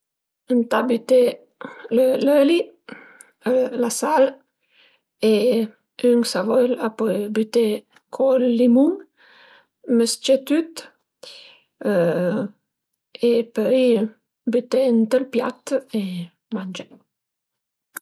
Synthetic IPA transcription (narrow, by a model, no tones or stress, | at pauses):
ənt̪abyt̪e | ləløli | əlasal | e | yŋsavɔjlapɔjbyt̪e | kʰolːimuŋ | məst͡ʃet̪yt̪ | epəɾi | byt̪ent̪əlpjat̪e | mand͡ʒe